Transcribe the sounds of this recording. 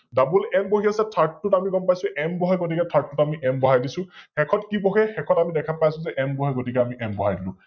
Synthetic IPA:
dabulɛmboɦiasɛtʰaɹtːutamiɡɔmpajsʊ̃ʔɛmbɔɦɛjɡotikɛtʰaɹtːutamiʔɛmbɔɦajdisʊ̃xɛkʰɔtkibɔɦɛxɛkʰɔtamidɛkʰapajsʊ̃zɛʔɛmbɔɦɛɡotikɛamiʔɛmbɔɦajdilʊ̰̃

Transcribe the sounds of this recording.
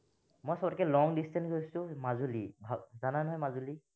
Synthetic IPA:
mɔjsɔbɔtɔkɛlɔŋdistɛnɦosʊ̃mazulibʱazananɦɔjmazuli

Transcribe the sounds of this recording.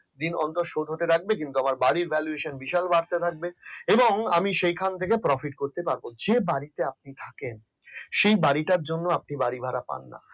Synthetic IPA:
d̪inɔ̰nt̪oʃod̪ʱɦoʈ̪eɾak̚bek̬int̪uamaɾbaɽiɾbʱɛlueʃonbiʃalbaɽt̪et̪ʰak̚beeboŋamiʃejkʰant̪ʰek̬epɾɔfiʈkoɾt̪epaɾbod͡ʑebaɽit̪eap̚nit̪ʰaken | ʃejbaɽiʈaɾd͡ʑonːoap̚nibaɽibʱaɾapa̰nːa̰

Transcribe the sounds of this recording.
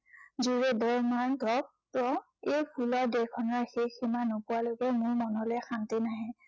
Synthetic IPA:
zuɹɛdɔɹmaɹdɔk̚pɔ | ejpʰulɔdɛkʰɔnaxejximanopʊwalokɛmʊɹmɔnɔlɛxantinaɦɛ

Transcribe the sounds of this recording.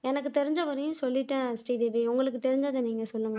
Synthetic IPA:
ɛnɐkːɯt̪ɛɾɪɲd͡ʒɐʋɐɾɐjʊ̃sɔlːɪʈːɐsʈiːd̪eʋiʊŋɡɐɭɯkːɯt̪ɛɾɪɲd͡ʒaːðɐniːŋɡɐsɔlːɯŋɡɐ

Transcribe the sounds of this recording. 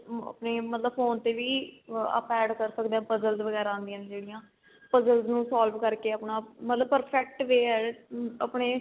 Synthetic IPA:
ə̰pneːmət̪ləbfoːnt̪eːʋiːə̰pɛːɖkəɾsəkd̪ẽãːpəzəlzʋəɡɛːɾãːnd̪ijãːnd͡ʒeːɽijãː | pəzəlznũːsaːlʋkəɾkeːəpnaːmət̪ləb̚pəɾpʰɛːk̚ʈʋeːɛːəːpɳeː

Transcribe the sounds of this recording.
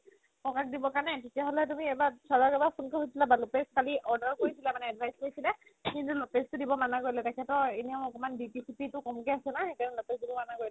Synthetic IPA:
pɔkakdibɔkaɹnɛtetijaɦɔlɛtumiɛbasazaɹkɛbapʰunkoɦojsilabalɔpeskaliʔɔɹdɔɹkoɹisilamanɛadvʱajzkoɹisila | kintulɔpestʊdibɔmanakojlɛtakʰɛtɔenijaʊ̃ɔkɔmanbipisʰipitʊkɔmkɛasɛnaxekannɛlɔpesdibɔmanaɡojlɛ

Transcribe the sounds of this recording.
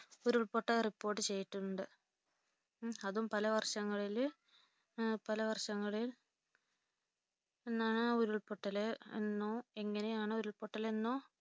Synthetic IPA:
oɾuɭpoʈːɐripːo̞ːrʈ̬ːɨt͡ɕe̞jːiʈːuuɳɖɨ | ɐðumpɐlɐʋɐrʂɐŋːɐɭil | pɐlɐʋɐrʂɐŋːɐɭil | e̞nːaːɳɨoɾuɭpoʈːɐlenːoːe̞ŋːɐnejaːɳɨoɾuɭpoʈːɐlenːoː

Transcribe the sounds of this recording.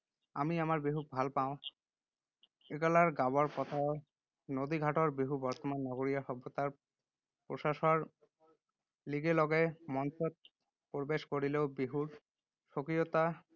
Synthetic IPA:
a̰miamaɾbeɦuk̚bʱalpaõ | eɡɔlaɾɡabaɾpɔt̪ʰa | nod̪iɡʱaʈoɾbiɦubɔɾt̪omanːɔɡoɾijaʃɔbːot̪aɾ | pɾoʃaʃoɾ | liɡelɔɡeemɔnt͡ɕot̪̚ | poɾbeʃkoɾileobiɦuɾ | ʃokɾiot̪a

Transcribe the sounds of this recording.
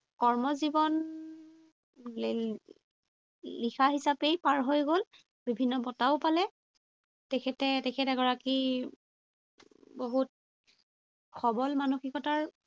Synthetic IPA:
kɔɹmɔzibɔn | lixʰaɦisapejpaɹɦojɡol | bibʱinːɔbɔtaʊpalɛ | tɛkʰɛtɛtɛkʰɛtɛɡɔɹaki | boɦut̚ | xʰɔbɔlmanuxikɔtaɹ

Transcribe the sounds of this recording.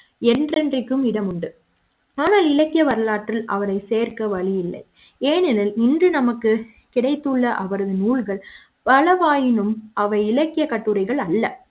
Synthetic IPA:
ɛndrɛndrɪkːɯmɪɽɐmʊɳɖɯ | aːnaːlɪlɐkːɪjɐʋɐɾɐlaːʈrɪlɐ̰ʋɐɾɐɪseːɾkɐʋɐɭɪjɪlːɐ̰ɪ | eːnɛlɐlɪndrɯnɐmɐkːɯ | kɪɽɐɪt̪ːɯɭːɐʔɐʋɐɾɐðɯnuːɭɣɐɭ | pɐɭɐʋaːjɪnɯmɐʋɐɪɪlɐkːɪjɐkːɐʈːɯɾɐɪɣɐɭɐlːɐ

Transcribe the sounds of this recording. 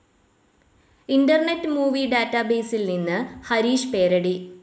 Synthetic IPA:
inɖɐrnetːɨmuːʋiɖaːtːɐbe̞ːsilninːɨhɐɾiːɕpe̞ːɾɐɽi

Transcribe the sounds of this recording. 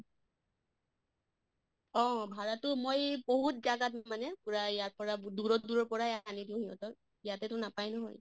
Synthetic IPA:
ɔ̃bʱaɹatʊmojboɦut̚zaɡatmanɛpuɹaijaɹ̚pɔɹaduɹɔduɹɔɹpɔɹajanidĩw̃ɦiɦɔ̰tɔɹ | ijatɛtʊnapajnɔɦɔ̰j

